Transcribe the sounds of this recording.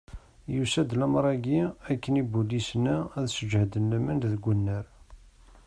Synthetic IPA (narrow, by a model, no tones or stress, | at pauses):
jusæd̪læmɾˤɑɡiækːənibulːisnææðsəd͡ʒhd̪ənlæmænðəɡʷənːəɾ